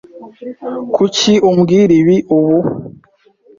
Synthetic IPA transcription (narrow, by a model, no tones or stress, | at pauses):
kʰuciʔumɡiɾiβiʔuβu